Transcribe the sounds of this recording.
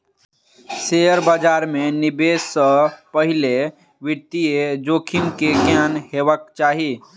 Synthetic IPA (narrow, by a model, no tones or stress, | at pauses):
seəɾbad͡ʒaːɾmẽnɪbeːsːəpəɦɪle | ʋɪɾt̪ied͡ʒoːkʰimkeɡaːnɦeːʋək̚t͡ʃaːɦi